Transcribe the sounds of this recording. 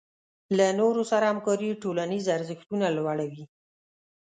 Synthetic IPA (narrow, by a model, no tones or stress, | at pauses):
lanoɾosaɾaamkɑɾiʈolanizaɾzəxt̪unalwaɽawi